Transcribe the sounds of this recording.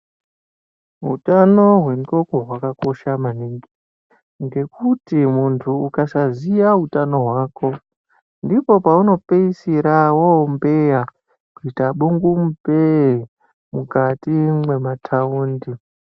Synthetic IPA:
ɦutano̞ɦwe̞muko̞ko̞ɦwakako̞ʃamaniŋɡi | ŋɡe̞kutimuntʰuːkasazijaɦutano̞ɦwaːko̞ | ndipo̞pauno̞peisiɾawoombeja | kuitaɓuŋɡum̩pe | mukatimwe̞matʰauːndi

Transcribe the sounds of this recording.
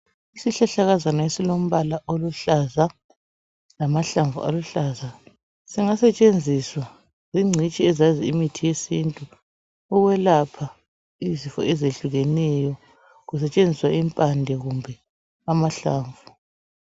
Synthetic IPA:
isiɬaɬaɣazanaesilom̩βalaʔoluɬaza | lamaɬaɱvṵʔa̰luɬaza | siŋasɛt͡ʃʼend͡zʱiswa | ziŋ͡ǀʱit͡ʃʼiɛzaziimitʰijesintʼuː | ɣwɛlapʰa | izifɔ̰ɛzeɬuɣɛnɛjɔ | ɣus̬ɛt͡ʃʼend͡zʱiswaimpʼandʱɛɣumbʱɛ | amaɬa̰ːɱvʱu

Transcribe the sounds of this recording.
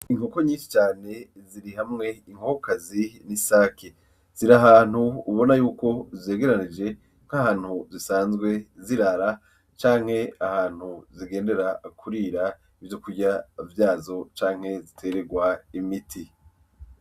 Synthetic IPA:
iŋoko̞ɲiːnʃi̥t͡ʃaːne̞ | ziɾiɦamŋe̞iŋ̥hokokazinisaːkʰe | z̥iɾaɦaːn̥huːβo̞najuːko̞ze̞ːɡe̞ɾanid͡ʒe̞ | ŋ̥hahaːn̥huzisaːnzɡwe̞ziɾaɾa | t͡ʃaːŋ̥he̞ahaːn̥huziɡe̞ːnde̞ɾakʰuɾiɾa | ivjo̞kuɾɟavjaːzo̞t͡ʃaːŋhe̞zitʰe̞ɾe̞ɡwaimitʰi

